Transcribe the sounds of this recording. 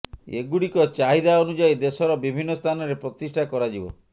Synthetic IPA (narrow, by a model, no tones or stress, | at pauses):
ḛɡuɽikɔt͡ʃaɦid̪aɔnud͡ʒaid̪esɔɾɔbibʱinːɔst̪ʰanɔɾepɾɔt̪isʈʰakɔɾad͡ʒibɔ̰